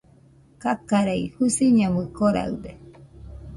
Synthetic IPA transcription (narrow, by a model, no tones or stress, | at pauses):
kakaɾaihusiɲamɯkoɾa̰ɯd̪e